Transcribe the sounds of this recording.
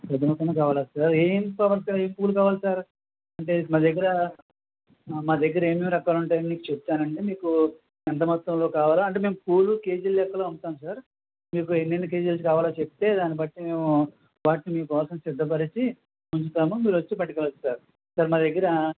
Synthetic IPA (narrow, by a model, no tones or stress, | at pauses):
pɾɐt̪imɐt̪ːɐnɐkaːʋaːlaːsaːɾeːmkaːʋaːlsaːɾeːmpuːlukaːʋaːlsaːɾ | ɐɳʈe̞maːd̪eɡːɐɾɐ | maːd̪ɐɡːɐɾɐe̞ːmeːmɾɐkaːluɳʈaːjɐniniːkut͡ʃep̚t̪aːnɐɳʈe̞ːmiːku | ɛnt̪̬ɐmɐt̪ːɐmlo̞ːkaːʋaːlaɐɳʈ̬e̞ːme̞ːmkuːluke̞ːd͡ʒiljɛkːɐloːunt̪aːmsaːɾ | miːk̬uenːenːike̞ːd͡ʒilɐsikaːʋaːlaːt͡ʃep̚it̪e̞ːd̪aːnibɐʈːime̞ːmu | ʋaːʈinimiːkɔːsɐmsid̪ʱːɐp̬ɐɾit͡ʃi | muɲt͡ʃut̪aːmumiːɾʋot͡ʃːipɐʈːikɛɭɐt̪uaːɾu | sɐɾmaːd̪eɡːɐɾɐ